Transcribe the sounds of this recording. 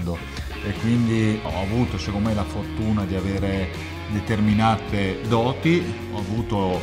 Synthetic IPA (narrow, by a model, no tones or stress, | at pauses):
d̪o | ekːwind̪iɔ̰avuːt̪osekoomɛlafort̪uːnad̪iaveːɾe | d̪et̪erminaːt̪ed̪ɔːt̪i | ɔavuːt̪o